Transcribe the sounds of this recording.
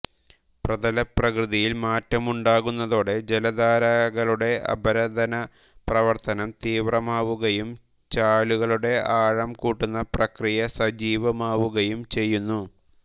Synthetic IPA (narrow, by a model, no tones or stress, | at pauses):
prɐd̪ɐlɐprɐkrɨðijilmaːtːɐmuɳɖaːɣunːɐðo̞ːɽe̞d͡ʑelɐd̪aːɾɐɣɐɭuɽe̞ʔɐ̰bʱɐɾɐd̪ɐnɐ | prɐʋɐrt̪ɐnɐmt̪iːʋrɐmaːʋuɣɐjum | t͡ɕaːluɣɐɭuɽe̞aːɻɐmkuːʈːunːɐprɐkrijɐsɐd͡ʑiːʋɐmaːʋuɣɐjumt͡ɕe̞jːunːu